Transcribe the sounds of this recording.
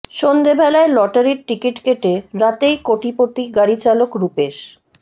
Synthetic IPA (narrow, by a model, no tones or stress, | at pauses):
ʃond̪ebʱɛlaelɔʈaɾiɾʈɾikiʈkeʈeɾat̪ejkoʈipot̪iɡaɽit͡ɕalokɾupeʃ